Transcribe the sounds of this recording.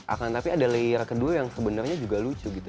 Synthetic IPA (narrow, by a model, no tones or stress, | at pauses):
ʔa̰kant̪apiadaleɾkəduajaŋsəbənərɲad͡ʒuɡalut͡ʃuɡit̪u